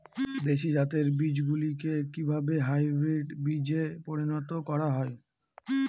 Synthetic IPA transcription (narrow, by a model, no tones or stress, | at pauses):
d̪eʃid͡ʑat̪eɾbid͡ʑɡulikekibʱabeɦajbɾiɖbid͡ʑepoɾinɔt̪okɔɾaɦɔe